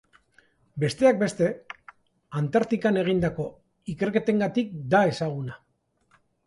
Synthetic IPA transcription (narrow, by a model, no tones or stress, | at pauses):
be̞st̪e̞ak̚be̞st̪e̞ | ant̪aɾt̪ikane̞ɣ̞ind̪ako̞ | ike̞ɾke̞t̪e̞ŋɡat̪ik̚d̪ae̞saɣ̞una